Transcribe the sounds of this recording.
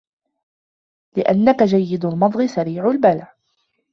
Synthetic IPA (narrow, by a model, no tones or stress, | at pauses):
lɪʔa̰nːakad͡ʒajːɪd̪ʊlmɑd̪ˤɣɨsaɾiːʕʊlbalaʕ